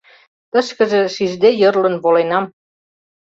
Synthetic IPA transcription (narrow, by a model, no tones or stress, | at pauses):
t̪əʃkə̆ʒĕʃiʒd̪ejərlə̆nβolenɑm